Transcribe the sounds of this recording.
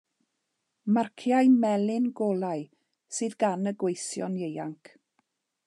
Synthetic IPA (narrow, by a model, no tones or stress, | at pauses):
markʰjajmɛlˠɪnɡoːlˠaɨ | sɨːðɡanəɡwejsjɔ̰njejaŋkʰ